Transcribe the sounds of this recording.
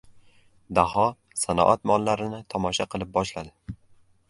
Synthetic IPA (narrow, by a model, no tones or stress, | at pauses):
d̪aɦɒ | sanɒ̰ʔat̪mɒlˠːaɾɪnɪt̪ʰɒmɒʃaqʰɨlˠɪp̚bɒʃlad̪ɪ